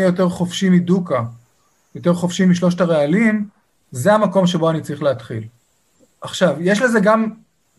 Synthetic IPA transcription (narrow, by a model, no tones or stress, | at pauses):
ijo̞t̪e̞ʁχo̞fʃimiduka | jo̞t̪e̞ʁχo̞fʃimiʃlo̞ʃtaʁealim | zeamako̞mʃe̞bo̞anit͡sʁiχleat̪χḭl | aχʃavjeʃ̬leze̞ɡam